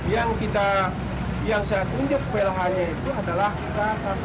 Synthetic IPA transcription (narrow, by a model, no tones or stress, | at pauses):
jaŋkit̪a | jaŋsajat̪uɲd͡ʒʊk̚belaɦaɲait̪uadalahkit̪asa